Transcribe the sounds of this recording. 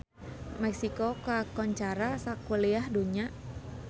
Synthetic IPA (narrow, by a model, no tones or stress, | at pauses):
mɛk̚sikokakɔɲt͡ʃaɾasakuliahduɲa